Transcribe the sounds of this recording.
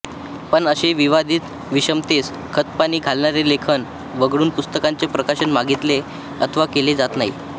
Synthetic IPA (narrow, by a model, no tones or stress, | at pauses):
pəɳəɕeʋiʋad̪ʱiːt̪ | ʋiɕəmt̪es | kʰət̪paɽ̃iːɡʱalɳaɾelekʰən | ʋəɡɽuːnpust̪əkaɲt͡sepɾəkaɕənmaɡit̪le | ə̰t̪ʰəʋakeled͡zat̪naɦḭ